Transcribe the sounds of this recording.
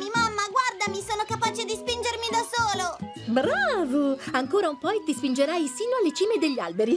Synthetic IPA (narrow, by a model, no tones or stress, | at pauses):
mimamːaɡward̪amisoːnokapaːt͡ʃed̪ispind͡ʒermid̪asoːlo | bɾaːvoaŋkoːɾaumpɔet̪ːispind͡ʒeɾajsiːnoalːet͡ʃiːmed̪eʎːia̰lbeɾi